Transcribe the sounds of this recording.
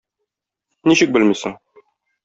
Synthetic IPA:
niɕɘk̚bɘlmisɘŋ

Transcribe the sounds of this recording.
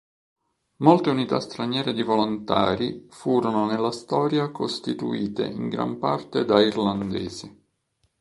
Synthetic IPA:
molt̪eunit̪a̰st̪ɾanjɛːɾed̪ivolont̪a̰ːɾifuːɾononelːast̪ɔːɾjakost̪it̪ṵiːt̪ḛʔiŋɡɾa̰mpa̰rt̪ed̪airland̪ɛ̰ːzi

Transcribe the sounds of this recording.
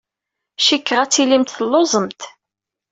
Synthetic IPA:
ʃikːʁæt͡sːilimt̪θəlːozˤəmt̪

